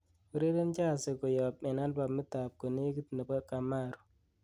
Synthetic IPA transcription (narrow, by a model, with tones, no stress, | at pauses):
u˨ɾe˦ɾe˦nt͡ʃa˦˨se˨ko˨jɔ˨p̚mɛ˨na˦nba˨mɪ˦ta˨p̚ko˨ne˦ɡi˦t̪ne˨bɔ˦ka˨ma˦˨ɾu˨